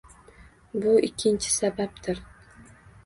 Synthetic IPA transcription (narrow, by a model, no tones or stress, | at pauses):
bʊʔɪkʲʰːɪnt͡ʃʰɪ̥sabap̚t̪ʰɪɾ